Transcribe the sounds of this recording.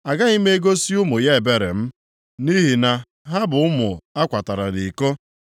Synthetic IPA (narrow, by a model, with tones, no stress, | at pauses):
a˨ɡa˦ɣi˦m̩e˦e˦ɡo˦si˦ʊ˦mʊ˨ja˦e˨be˨ɾe˨m̩˦ | ni˦ɦi˨na˨ | ɦa˦bʊ˨ʊ˦mʊ˨a˦kʷa˨ta˨ɾa˨di˨ko˦